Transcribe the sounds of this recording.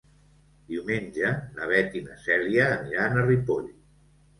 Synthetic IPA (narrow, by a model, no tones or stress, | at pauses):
d̪iwmenʲʒənəβ̞ɛt̪inəsɛɾiəːniɾaːnəripoʎ